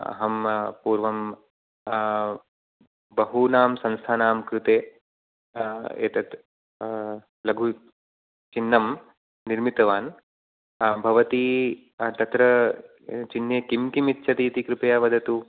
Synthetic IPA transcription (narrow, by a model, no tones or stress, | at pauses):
ɐ̰ɦɐmpuːɾʋɐm | bɐɦuːnaːmsɐ̃nst̪ʰaːnaːmkɾut̪eː | ḛːt̪ɐt̪ | lɐɡʱu | t͡ʃinːɐmː | iɾmit̪ɐʋaːn | bʱɐʋɐt̪iː | t̪ɐt̪ɾɐ | t͡ʃinːeːkimt̪imit̪ʃʰɐt̪iːt̪ikɾupɐjaːʋɐd̪ʱɐt̪u